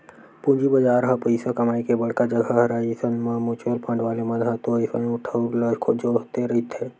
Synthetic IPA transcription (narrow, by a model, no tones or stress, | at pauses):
pũːd͡ʒibəd͡ʒaːɾɦapəɪsakɐmaːikebɐɽkad͡ʒəɡʱəɦɐɾaːisənmãmʊt͡ʃəlpãːɳɖʋaːlemɐ̃d̪ʱat̪oisə̃ʊʈʰaɾləkʰod͡ʒoːɽt̪eɾəit̪ʰeː